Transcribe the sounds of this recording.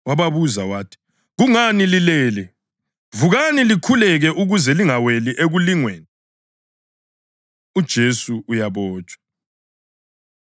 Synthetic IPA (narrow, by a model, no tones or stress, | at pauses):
waβaβuzawaːtʰi̥ | ɣuŋanililɛːlɛ | vuɣanilikʰulɛɣɛʔuɣuzɛliŋaweliʔeɣuliŋweːni | ud̥ʒ̥ʱesuujaβɔːt͡ʃʼwḁ